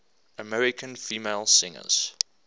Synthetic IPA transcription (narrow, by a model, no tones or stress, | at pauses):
əmɛɹɪkʰə̃nfiːmeɪlˠsɪ̃ŋə̰z̥